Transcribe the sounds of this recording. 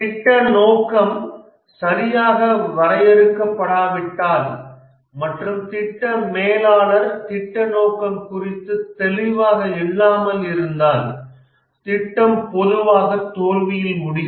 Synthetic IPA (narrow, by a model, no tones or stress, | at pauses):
t̪ɪʈːɐnoːkɐm | sɐɾɪjaːɣɐʋɐɾɐjɛɾɯkːɐpːɐɽaːʋɪʈːaːl | mɐʈrɯmt̪ɪʈːɐmeːlaːɭɐɾt̪ɪʈːɐnoːkɐmkʊrɪt̪ːɯt̪ɛlɪʋaːɣɐɪlːaːmɐlɪɾɯnd̪aːl | t̪ɪʈːɐmpɔðɯʋaːɣɐt̪ːoːlʋɪjɪlmʊɽɪ